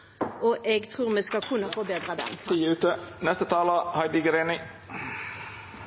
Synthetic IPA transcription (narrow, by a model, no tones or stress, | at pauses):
ʔoʔɛɡt̪ʰʁuːʁmeːskɑkʰʉnːəfɔʁbeːd̪ʁəd̪ɛ̰mʰiːʉːt̪ənɛst̪ət̪ʰɑːləhɑɪd̪ɪɡɾenɪ